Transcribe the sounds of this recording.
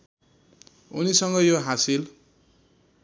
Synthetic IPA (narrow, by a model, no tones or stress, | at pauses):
ṵnisʌŋɡʌjoɦasil